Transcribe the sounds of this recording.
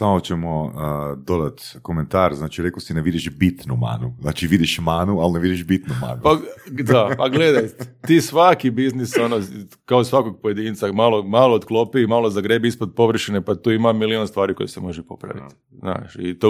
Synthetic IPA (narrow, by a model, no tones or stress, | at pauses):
samot͡ɕemoəd̪o̞d̪at̪koment̪aːɾznaːt͡ʃiɾekosineʋid̪iʃbit̪numa̰ːnuznaːt͡ʃiʋid̪iʃmaːnualneʋid̪iʃbit̪numa̰ːnupad̪apaɡled̪ajt̪e̥t̪iːsʋakibizniso̞no | kaosʋakoɡ̚poje̞d̪int̪samalˠomaloːd̪klo̞piːmalozaɡɾebiispod̪̚po̞ʋr̩ʃinepat̪uːimamilionst̪ʋaːɾiko̞jese̞mo̞ʒepo̞̰pɾa̰ʋḭt̪ | zna̰ːʃit̪o